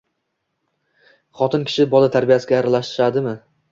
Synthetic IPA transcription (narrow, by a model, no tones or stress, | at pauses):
χɒt̪ɪnkʲʰɪ̥ʃɪbɒlat̪ʰaɾbijasɪɡʲaːɾalaʃt̪ɪʃad̪ɪmɪ